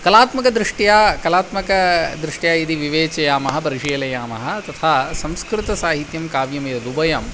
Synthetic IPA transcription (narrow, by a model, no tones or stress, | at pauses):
kɐlaːt̪mɐkɐd̪ɾɪʂʈjaːkɐlaːt̪mɐkɐd̪ɾɪʂʈjaːid̪iʋiʋeːt͡ʃɐjaːmɐɦɐ̆pɐɾiʃiːlɐjaːmɐ̰ɦɐt̪ɐt̪ʰaːsɐ̃mskɾɪt̪ɐsaːɦit̪jɐmkaːʋjɐmjɐɐd̪ubɐjɐm